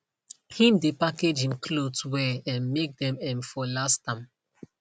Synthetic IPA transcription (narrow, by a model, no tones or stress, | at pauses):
hĩmdepaked͡ʒhĩmkʰlotwɛɛ̃nmek̚dɛ̃mɛ̃mfɔlastãm